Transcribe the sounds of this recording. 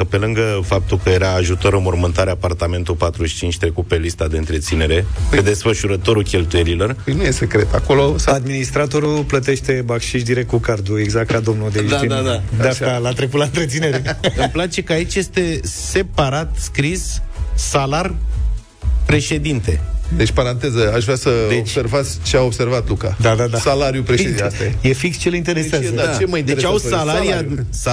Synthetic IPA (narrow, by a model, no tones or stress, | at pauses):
kəpe̞lɨŋɡəfap̚t̪ulkəje̞ɾaːʒut̪o̞ɾɨnmormɨnt̪aɾeapart̪ame̞nt̪ulpat̪ɾuʃi̥t͡ʃint͡ʃʲt̪ɾe̞kut̪̚pe̞list̪ad̪e̞ɨnt̪ɾe̞t̪sine̞ɾe̞d̪e̞sfəʃuɾət̪o̞ɾukʲe̞lt̪uje̞ɾilo̞rjnujese̞kɾet̪ako̞lo̞sad̪minist̪ɾat̪o̞ɾulplət̪e̞ʃt̪e̞bakʃiʃd̪iɾet̪kukard̪ue̞ɡzak̚t̪kad̪o̞mnud̪eiind̪ad̪aʃalat̪ɾekut̪laɨnt̪ɾet̪sine̞ɾeməplat͡ʃe̞kəait͡ʃʲje̞st̪e̞se̞paɾat̪skɾissalar | pɾe̞ʃe̞d̪int̪e̞̰d̪e̞t͡ʃʲpaɾant̪ezəaʃvɾʲasəd̪eot͡ʃsse̞rvat̪sʲt͡ʃeao̞bse̞rvat̪lukad̪ad̪ad̪asalaɾjupɾeʃeisejefikst͡ʃelint̪e̞ɾeseazd̪at͡ʃemajind̪eɾet͡ʃawsalaɾija